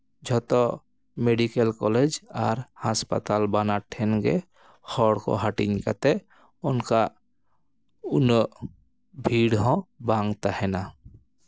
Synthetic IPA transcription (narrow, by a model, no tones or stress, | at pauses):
d͡ʒʱɔt̪ɔ | meɖikelkɔled͡ʒaɾhaspa̰t̪albanaʈʰɛnɡḛ | hɔɽkɔ̰ɦaʈiɲka̰t̪ɛ | ɔnka | unɔ | bʱiɽɦɔ̃baŋɡt̪ahɛna